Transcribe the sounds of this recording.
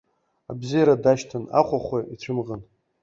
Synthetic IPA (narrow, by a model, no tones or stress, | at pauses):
abzijaɾadaʃtʰana̰χʷʰaχʷeit͡ɕʷʰɨmʁən